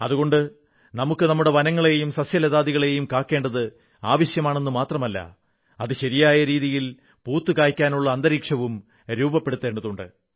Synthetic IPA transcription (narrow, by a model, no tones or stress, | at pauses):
ɐðuɣo̞ɳɖɨ | nɐmukːɨnɐmːuɽe̞ʋɐnɐŋːɐɭe̞jumsɐsjɐleðaːðiɣɐɭe̞jumkaːkːe̞ːɳɖɐðɨ | aːʋɐɕjɐmaːɳe̞nːumaːt̪rɐmɐlːɐ̰ | ɐðɨɕɐɾijaːjɐɾiːðijil | puːt̪ːɨkaːjkʲːaːnuɭːɐːnd̪ɐɾiːkʂɐʋum | ɾuːbɐpːeɽut̪ːe̞ːɳɖɐðuɳɖɨ̰